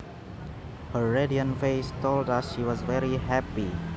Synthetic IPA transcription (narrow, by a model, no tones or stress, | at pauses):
həːediə̃nfeɪstoldasʃiwɔsvɛɹiɦɛpi